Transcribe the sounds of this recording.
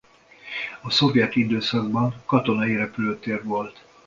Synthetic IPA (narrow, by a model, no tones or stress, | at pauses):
ɒso̞vjɛt̪id̪øːsɒɡbɒŋkɒt̪o̞nɒiɾɛpyløːt̪eːrʋo̞lt̪